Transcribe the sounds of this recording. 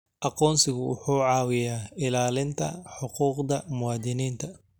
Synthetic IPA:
ʔɑqɔːnsɪɣʊwʊħuːʕɑːwɪjaːɪlaːlɪnt̪ʰɐħʊquːqd̪ɐmʊwɑːd̪ɪniːnt̪ʰɐ

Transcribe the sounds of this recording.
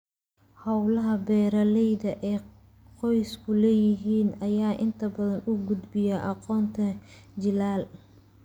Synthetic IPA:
hɐwlɐɦɐbɛːɾɐlɛjðɐʔɛː | qɔjskʰʊlɛːjɪɦiːnɐjaːʔɪnt̪ʰɐbɐðɐnʔʊɡʊd̪bɪjɐʔɑqɔːnt̪ʰɐ | t͡ʃɪlaːl

